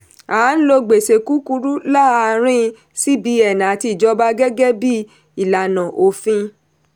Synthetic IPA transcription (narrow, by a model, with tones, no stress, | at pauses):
a˨˦n̩˦lo˧ɡ͡be˨se˨ku˦ku˧ɾu˦la˦a˧ɾ̃ĩ˦˧ | si˦bi˨˧˦ɛ˨nã˨a˨ti˧˨d͡ʒɔ˧˦ba˧ɡɛ˦ɡɛ˦bi˦ | i˨la˨nã˨ʔo˨fĩ˧